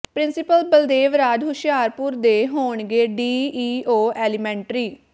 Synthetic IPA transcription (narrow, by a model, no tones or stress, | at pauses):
pɾɪ̃nsɪpəlbəld̪eːʋɾaːd̪ɦʊʃɪjaːɾpʊɾd̪eːɦoːɳɡeːɖiːiːoːɛːlɪmɛ̃ːɳʈɾiː